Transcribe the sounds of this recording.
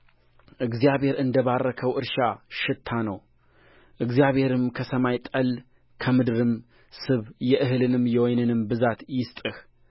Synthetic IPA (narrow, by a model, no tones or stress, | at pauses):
ʔɨɡzijaβhe̞ɾɨnd̪əβarːəkʰəwʔɨɾʃaʃɪt̪ʰːanəw | ʔɨɡzijaβhe̞ɾɨmkʰəsəmajt̪ʼəl | kʰəmɨd̪ɨɾɨm | sɨβjɛʔɨɦɨlɨnɨmjɛwɔjnɨnɨmbɨzat̪jɪst̪ʼɨh